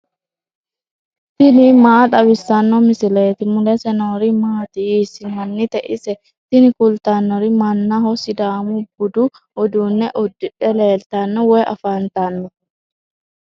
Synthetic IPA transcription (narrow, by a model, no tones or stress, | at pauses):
t̪ɪnɪmaːᶑ̪ɐbɪsːɐnːɔmɪsɪleːt̪ɪmʊlɛsɛnoːɾimaːt̪ɪiːsɪmɐnːɪt̪ɛʔɪsɛ | t̪ɪnɪkʊlt̪anːɔɾɪmɐnːaɦɔsɪd̪aːmubʊd̪u | ɔd̪unːɛʔʊd̪ːɪᶑɛleːlt̪ɐnːɔwɛjʔɐfaːnt̪anːɔ